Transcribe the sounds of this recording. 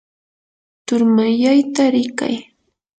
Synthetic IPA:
t̪ʊɾmaʎajt̪aɾɪka̰j

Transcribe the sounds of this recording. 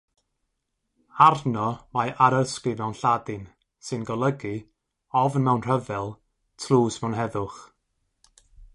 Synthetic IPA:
arnɔmajʔaɾəskɨmɛwnɬadɨn | sɨnɡɔlˠəɡɨ | ɔvənmɛwnr̥əvɛlˠ | tʰluːsmɛwnɦɛðʊχ

